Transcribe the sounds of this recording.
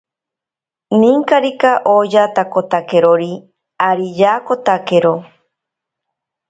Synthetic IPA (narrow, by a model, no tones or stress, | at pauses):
nĩŋkaɾikaʔod͡ʒat̪akot̪akeɾoɾi | aɾijakot̪akeɾo